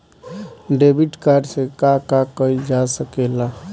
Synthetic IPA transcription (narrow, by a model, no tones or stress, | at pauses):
ɖebiʈkaɾɖsẽkakakəjd͡ʒasəkela